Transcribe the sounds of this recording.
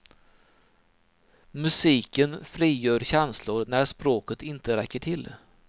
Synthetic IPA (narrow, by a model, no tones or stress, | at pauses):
mɵsiːkənfɾiːjœːɾɕɛnslʊɾnæɾʂpɾoːkət̪ɪnt̪əɾɛkːəʈʰɪl